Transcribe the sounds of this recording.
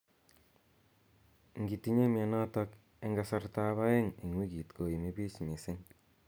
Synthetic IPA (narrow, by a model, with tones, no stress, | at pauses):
ŋɡi˨ti˨ɲe˦ma˨nɔ˦tɔ˦k | e˦ŋɡa˨sa˦rta˦βa˦je˦ŋi˨ŋwi˦ki˨tko˨i˨mi˦bi˦smi˨sɪ˦ŋ